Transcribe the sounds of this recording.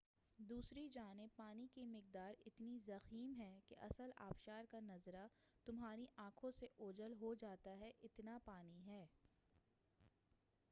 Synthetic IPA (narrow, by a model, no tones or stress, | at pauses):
d̪uːsɾid͡ʒaːnɪb̚paːnikimɪq̚d̪aːɾɪt̪nizɐxiːmɦɛkeʔɐsəla̰ːpʃaːɾkanɐzɾat̪ʊmɦaːɾiʔãːkʰõseʔoːd͡ʒəlɦod͡ʒaːt̪aɦɛʔɪt̪napaːniɦɛː